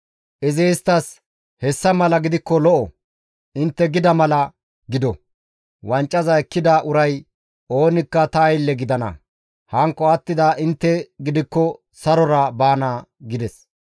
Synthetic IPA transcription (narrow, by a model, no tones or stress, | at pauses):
ʔɪzeːst̪ɐs | hɛsːɐmɐlɐɡɪd̪ɪkːɔlɔʔɔ̰ | ʔɪnt̪ːɛɡɪd̪ɐmɐlɐ | ɡɪd̪ɔ | wɐnt͡ʃʼːɐzɐɛkːɪd̪ɐʔʊɾɐj | o̞ːnɪkːɐt̪ɐːjlːɛɡɪd̪ɐnɐ̰ | hɐŋkːɔɐt̪ːɪd̪aʔɪnt̪ːɛɡɪd̪ɪkːɔ | sɐɾɔɾɐbaːnaɡɪd̪ɛs